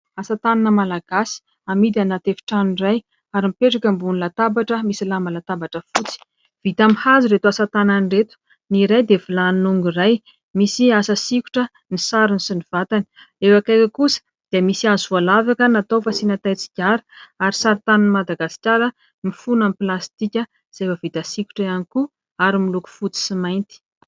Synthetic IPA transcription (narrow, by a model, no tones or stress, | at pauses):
asat̪ananəmalaɡ̥asi̥ | amid̪anat̪efi̥ʈ͡ʂaniraj | aɾimipeʈ͡ʂakʲəmbunilat̪abaʈ͡ʂəmisilamalat̪abaʈ͡ʂəfut͡si̥ | v̥it̪amihaziret̪uasat̪ananiret̪u̥ | niɾajd̪evilaninuŋɡuraj | misiasəsiku̥ʈ͡ʂə | nisaɾunisiniv̥at̪ani̥ | efakajkʲəkusə̥ | d̪̥eəmisiazvalavakənat̪owfasinat̪ajt͡si̥kʲaɾi̥aɾisaɾit̪anunmad̪aɡasi̥kʲaɾə | mifunampilast̪ikʲə | z̥efəvit̪asikʲu̥ʈ͡ʂəjaniku | aɾimiluku̥fut͡si̥simajnt̪i̥